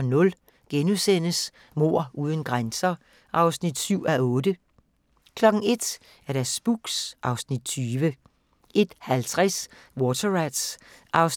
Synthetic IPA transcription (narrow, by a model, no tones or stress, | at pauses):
nɔ̽l | ɡ̥enusen̰əs | mo̝̰ɐ̰ʔuːðˠənɡ̥ʁansɐ | ʔɑ̈ʊsnid̥syʊ̰æɔ̽ːd̥ə | kʰlɒ̽ɡ̥n̩e̝d̥ | æɐɾæsb̥uɡ̥sʔɑ̈ʊsnid̥̚t͡sʰyːʋə | ʔe̝d̥hælt͡sʰʁas | wɔːt͡sʰɐʁæd̥sʔɑ̈ʊs